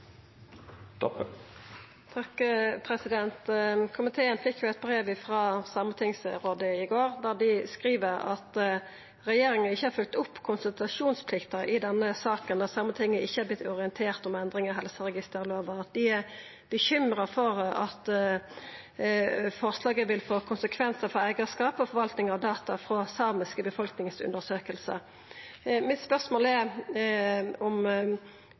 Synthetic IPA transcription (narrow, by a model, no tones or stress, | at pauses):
t̪ | t̪ʰɑkpʰɾɛsɪd̪ɛnt̪kʰʊmɪt̪ʰeːənfɪkːʋɪæɪt̪̚bɾeːʋɪfɾɑːsɑmət̪ʰɪŋsɾoːd̪əɪɡoːʁd̪ɑːd̪ɪskʁiːʋəɾɑ̰t̪ | ʁɛjeːɾɪŋənɪçːəhɑɾfœlk̚t̪ʊpːkʰʊnsʉlt̪ʁɑʂuːnspʰlɪkt̪ɑʔɪd̪ɛnːəsɑːkənd̪ɑsɑmːət̪ʰɪŋːəʔɪçːəhæɾblɪt̪ːɔʁɪənt̪ʰeːʁt̪ɔmɛnd̪ʁɪŋɑɦɛlsəʁɛɡɪst̪əʁloːʋəʁɑt̪̚d̪ɪæʁ | b̥əçʏmɾəfɔʁɑt̪ | fɔʁslɑːɡəʋɪlfoːkʰʊnsəkʰʋɛnsəfɔɾæɪɡɑskɑːpɔfɔʋɑlt̪nɪŋɑʋd̪ɑːt̪ʰɑfʁoːsɑʁmɪskəbəfɔlknɪŋsʉ̰nd̪əʁsøːkəlsə̰ | mɪt̪spœʁsmoːlɛ | ɔm